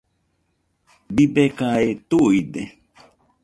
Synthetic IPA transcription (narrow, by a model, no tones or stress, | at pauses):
bibekaet̪uide